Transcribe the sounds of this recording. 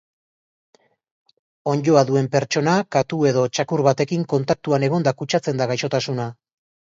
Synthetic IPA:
o̞ɲɟo̞aðue̞mpe̞ɾt͡ʃo̞nakat̪ue̞ðo̞t͡ʃakuɾβat̪e̞kiŋko̞nt̪ak̚t̪uane̞ɣ̞o̞nd̪akut͡ʃat͡se̞nd̪aɣ̞ajʃo̞t̪asuna

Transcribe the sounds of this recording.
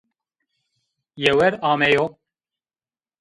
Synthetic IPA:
jɛwɛɾɑːmɛjo

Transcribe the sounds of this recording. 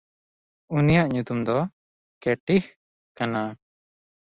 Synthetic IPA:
unijaʔɲut̪umd̪ɔ | kɛʈih | kana

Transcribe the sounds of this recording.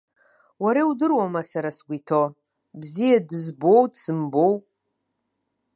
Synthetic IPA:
waɾewdɨrwamasaɾasɡʷitʰo | bzijadɨzbowdsɨmbow

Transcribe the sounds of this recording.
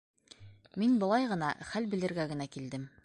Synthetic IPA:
minbŏlˠɑjʁɤ̆nɑχælbɘ̆lɘ̆ɾɡæɡɘ̆nækild̪ɘm

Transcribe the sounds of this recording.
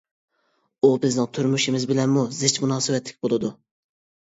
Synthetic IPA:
ubɪznɪŋt̪ʰyɾmyʃimɪzbɪlɛnmuzɪt͡ʃmunɑːsɨwɛt̪ʰlɪ̥kʲbolˠɨd̪u

